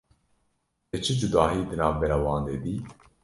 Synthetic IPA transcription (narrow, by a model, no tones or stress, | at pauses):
et͡ʃʰɨd͡ʒud̪ɑːɦiːd̪ɨnɑːvbɛɾaːwɑːnd̪eːd̪iː